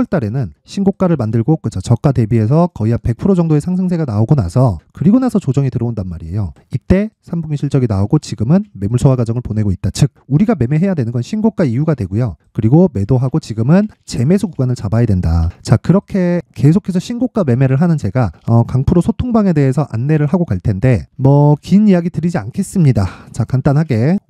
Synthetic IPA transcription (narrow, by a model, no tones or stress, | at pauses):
ʌɭt͈aɾe̞nɯnɕʰinɡok͈aɾɯɭmandɯɭɡok͈ɯt͡ɕʰʌt͡ɕʌk͈̚ate̞bie̞s̬ʰʌkʌiɦapek̚pʰɯɾod͡ʑʌŋdoe̞sʰaŋsʰɯŋs̬ʰe̞ɡanaoɡona̰sʰʌkɯɾiɡonasʰʌt͡ɕod͡ʑʌŋitɯɾʌondanmaɾie̞̰jo | it͈e̞sʰambuŋiɕʰiɭt͡ɕ͈ʌɡinaoɡot͡ɕiɡɯmɯnme̞muɭsʰʌwaɡad͡ʑʌŋɯɭpone̞ɡoit̚t͈at͡ɕɯk̚uɾiɡame̞me̞ɦe̞jadwe̞nɯnɡʌnɕʰinɡok͈aijuɡadwe̞ɡujokɯɾiɡome̞doɦaɡot͡ɕiɡɯmɯnt͡ɕe̞me̞sʰukuɡwanɯɭt͡ɕabajedwenda̰t͡ɕakɯɾʌkʰe̞ke̞sʰokʰe̞s̬ʰʌɕʰinɡok͈ame̞me̞ɾɯɭɦanɯnd͡ʑe̞ɡaʌkaŋpʰɯɾosʰotʰoŋbaŋe̞de̞esʰʌʔa̰nːe̞ɾɯɭɦaɡokaɭtʰe̞nde̞mʌkinijaɡitɯɾid͡ʑiankʰe̞s͈ɯmɲidat͡ɕakant͈anɦaɡe̞